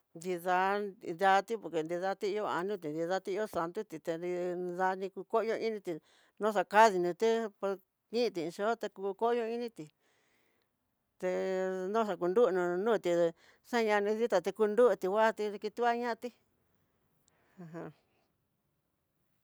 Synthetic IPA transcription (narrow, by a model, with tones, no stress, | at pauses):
nd̪i˧ða˧nd̪a˧t̪i˦po˧ɾke˨nd̪i˧ða˧t̪i˦˧jo˧a̰˧nũ˦t̪̬i˨nd̪i˧ða˧˦t̪i˦˧˦o˦sa˨nt̪u˦t̪i˨t̪e˧i˧ða˧nĩ˧ku˧ko˦ʔjo˧ĩ˦nĩ˧t̪i˧ | nõ˦ʂ̬a˧ka˦ði˧nũ˧t̪e˦po˧ | ɲĩ˦˧t̪ĩ˧˨˧ʃo˦t̪e˧kuː˧ko˦jo˧i˧nĩ˦t̪i˨ | t̪e˧nõ˦ʂa˧ku˧nd̪u˦ʔnũ˧nũː˦˧t̪i˧e˧ | ʂa˦˧ɲã˧nĩ˧ði˦t̪a˧t̪e˧ku˧nd̪u˦ʔt̪i˧wʷa˦˧t̪i˧ðe˧ki˧t̪u˦a˦ɲã˦˧t̪i˦ | a˧ɦã˧